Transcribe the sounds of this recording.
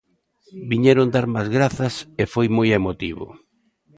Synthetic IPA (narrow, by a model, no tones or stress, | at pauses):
biɲeɾond̪aɾmazɣɾaθɐsefojmojemot̪iβʊ̰